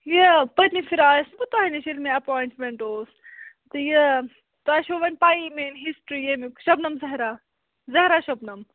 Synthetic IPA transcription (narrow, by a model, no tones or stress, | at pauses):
jəpɐnifʰiɾaːsbut̪aɦineʃilmẽɐpoːjɳʈmeɳʈoːs | t̪ɨjə | t̪oaʃoːʋɐnpaːimenɦisʈɾiemikʃɐbnɐmzɐɦɾa | zɐɦɾaʃɐbnɐm